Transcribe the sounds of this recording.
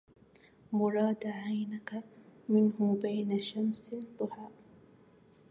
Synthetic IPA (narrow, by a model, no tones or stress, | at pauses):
mʊɾˤɑːd̪ʕajnakamɪnhʊbajnaʃamsd̪ˤʊħɑːʔ